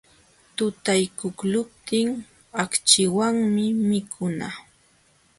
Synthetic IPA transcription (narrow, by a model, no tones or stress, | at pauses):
t̪ʊt̪ajkʊklʊp̚t̪ɪŋ | akt͡ʃɪwaŋmɪmɪkʰʊna